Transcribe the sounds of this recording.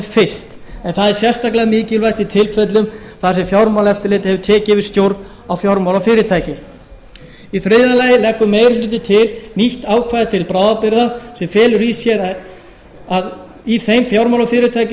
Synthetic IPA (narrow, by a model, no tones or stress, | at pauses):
fɪ̥st̪ɛnθaðɛɾ̥sjɛr̥st̪aklɪaamɪːcɪlvajht̪it̪ʰɪlfœt̪lʏm | θasɛfjawɾmawlɛft̪ɪɾlɪːt̪ɪhɛvʏt̪ʰɛːcɪvɪst̪jowɾt̪n | awfjawɾmawlafɪːɾɪt̪ʰaːjcɪ | iθɾɪðalaːjɪlɛhkːʏmeːjɾʏlɪːt̪ɪt̪ʰɪlniht̪aːwkʰvaːðɪt̪ʰɪlpɾaːwðapɪɾðasɛmfɛːlʏɾiːsjɛɾa | að | iθejmfjawɾmawlafɪːɾɪt̪ʰaːjc